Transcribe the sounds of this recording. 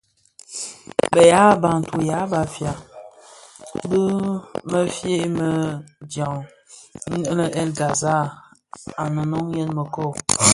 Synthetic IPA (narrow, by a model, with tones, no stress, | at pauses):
bə˨ja˨˦ba˨ŋ̩˨tu˨ja˨˦ba˨fja˨ | bə˦mə˦fje˦ʔmə˨dja˨ŋ̩˦ | nə˦ʔlə˦ʔɛ˦lɡa˨za˦˨ | a˨nə˨nɔ˦ŋjɛ˦nmə˨kɔ˦˨